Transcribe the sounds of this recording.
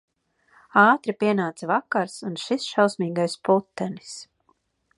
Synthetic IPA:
ɑːt̪ɾipʲiɛnaːt̪svakaɾsunʃisʃawsmiːɡajsput̪ːɛni̥s

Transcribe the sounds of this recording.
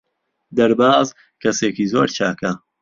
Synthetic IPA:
d̪ɐɾbaːz | kʰɐseːkiːzoːɾt͡ʃʰaːkɐ

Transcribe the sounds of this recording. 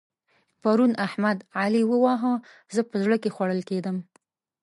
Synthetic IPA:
paɾunahmad̪ʕaliwəwɑɦə | zəpəzɽəkexwaɽəlked̪əm

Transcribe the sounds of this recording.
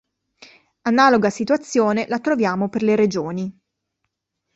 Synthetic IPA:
anaːloɡasit̪wat̪sːjoːnelat̪ɾovjaːmoperleɾed͡ʒoːni

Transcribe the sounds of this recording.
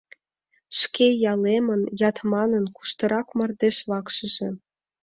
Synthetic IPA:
ʃkejɑlemə̆njɑt̪mɑnənku̥ʃt̪ɤ̆ɾɑkmɤ̆rd̪eʃβɑkʃɤ̆ʒĕ

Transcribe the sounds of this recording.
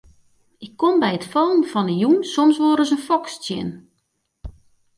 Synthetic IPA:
ɪkʰːombɛjətfoːnfɔnəjunsomsʋoːɾəsənfɔkstjɪ̰n

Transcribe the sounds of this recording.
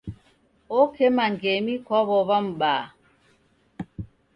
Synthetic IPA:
okʰemaŋɡemikɔβɔβam̩ɓaː

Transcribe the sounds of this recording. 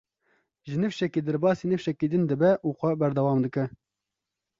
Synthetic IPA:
ʒɨnɨfʃɛkiːd̪ɛɾbɑːsiːnɨfʃɛkid̪ɨnd̪ɨbɛʔuːxʷɛbɛɾd̪ɛwɑːmd̪ɨkɛ

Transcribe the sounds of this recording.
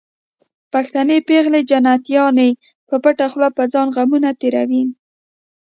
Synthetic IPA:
paxt̪anepeɣled͡ʒanat̪jɑne | pəpaʈaxlɑpəd͡zɑnɣamunat̪eɾa̰win

